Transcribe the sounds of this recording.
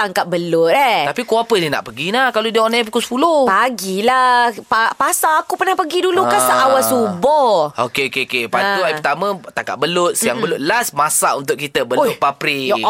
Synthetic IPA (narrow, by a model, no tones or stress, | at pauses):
t̪aŋkat̪̚bəlʊt̪̚ɛt̪apikuapənina̰ʔpəɡinahkalodiəonafukusə̥pulupaɡilapapasaakupənahpəɡidulukasaʔawasubɔokeokekepat̪uajpət̪amə̃t̪aŋka̰ʔ̪̚bəlʊt̪̚səjaŋbəlʊt̪̚lasmasa̰unt̪ʊʔkit̪əbəlʊʔ̚papɾi